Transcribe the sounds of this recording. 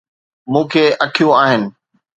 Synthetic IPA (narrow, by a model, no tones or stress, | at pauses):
mũːkʰeɐʈʰijũaːɦɪnɪ̆